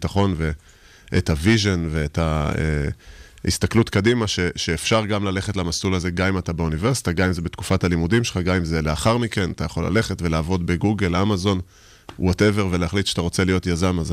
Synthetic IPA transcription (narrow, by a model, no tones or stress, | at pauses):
taχo̞nve̞ | ʔḛtaviʒo̞nve̞etaḛ | hḭst̪aklutkadimaʃe̞ʃeːfʃaʁɡamlale̞χe̞tlamasulaze̞ɡamimatabeuniveʁsi̥taɡamimzebetku̥fatalimudimʃelχaɡamimzeleaχaʁmike̞natajaχo̞la̰le̞χe̞tve̞laːvo̞dbe̞ɡuɡelamazo̞n | wote̞ve̞ʁvelehaχlitʃat̪aʁo̞t͡selijo̞tjazamaz